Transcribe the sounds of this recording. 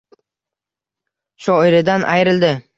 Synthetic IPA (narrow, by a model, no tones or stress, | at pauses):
ʃɒɪɾɪd̪anʔajɾɪld̪ɪ